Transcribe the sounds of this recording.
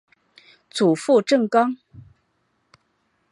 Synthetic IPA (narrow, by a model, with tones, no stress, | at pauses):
t͡su˨˩fu˥˧ʈ͡ʂɤ˥˩ŋkɑ˥ŋ